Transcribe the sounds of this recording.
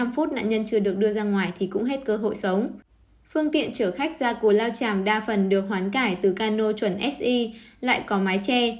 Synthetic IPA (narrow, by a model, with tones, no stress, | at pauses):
a˧mfu˦˥t̚na̰ː˧˨nɲə˧nt͡ɕɨ˧əɗɨ˨˩ək̚ɗɨ˧əzaː˧ŋwaː˨˩jt̪ʰi˨˩kʊ̰˧˥ŋ͡mɦe˦˥t̚kəː˧ɦo̰˧˨jsə˨˦wŋ͡m | fɨ˧əŋt̪ḭ˧˨ənt͡ɕəː˧˩xa˦˥jk̟̚zaː˧ku˨˩əlaː˧wt͡ɕaː˨˩mɗaː˧fə˨˩nɗɨ˨˩ək̚ɦwaː˨˦nkaː˧˩jt̪ɨ˨˩kaː˧no˧t͡ɕwə˧˩nʔɛ˦˥t̚ʔi˧la̰ː˧˨jkɔ˨˦maː˨˦jt͡ɕɛ˧